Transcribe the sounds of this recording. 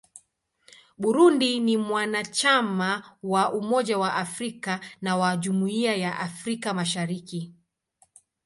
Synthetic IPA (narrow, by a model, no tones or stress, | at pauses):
ɓuɾundinimwanat͡ʃamawaʔumɔʄawaʔafɾikanawaʄumuiajaʔafɾikamaʃaɾiki